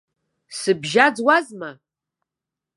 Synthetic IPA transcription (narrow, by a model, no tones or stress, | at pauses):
sɨbʒaːd͡zwazmɐ